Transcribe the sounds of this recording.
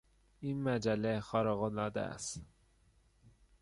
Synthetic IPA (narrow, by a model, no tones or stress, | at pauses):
iːnmæd͡ʒælːexɒːɾeɣolɒːd̪æ̰æ̰st̪